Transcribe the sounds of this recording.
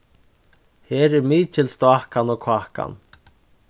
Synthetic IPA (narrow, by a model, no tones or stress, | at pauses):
heːɾɛɾmiːt͡ʃɪlst̪ɔahkanɔkʰaːhka̰n